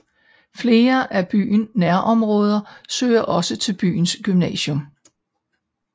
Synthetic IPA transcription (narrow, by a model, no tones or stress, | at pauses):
fle̝ːɐʔæb̥y̰ːnːæɐ̰ʔɒ̽mʁɔ̽ːð̞ˠɐsø̰ːɪɐʔɒ̽sət͡sʰe̝lb̥y̰ːn̩sɡ̥ymnɛ̰ːɕɔ̽m